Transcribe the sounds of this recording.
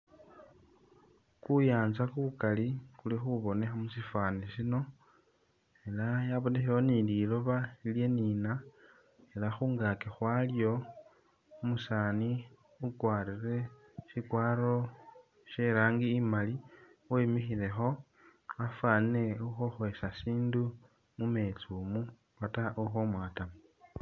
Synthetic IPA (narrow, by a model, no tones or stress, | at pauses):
kujaːnzakuβukalikulixuβo̞nexamusifaːnisino̞ | e̞lajaβonexexonililo̞βailje̞niːna | elaxuːŋɡakexwaljo̞ | musaːni | ukwaːrire̞ | ʃikwaːɾo̞ | ʃeɾaːŋɡiːmali | wemixile̞xo̞ | afwanine̞uxoxwe̞sasiːndu | mume̞t͡sumu | wataʔuxomwaːtamu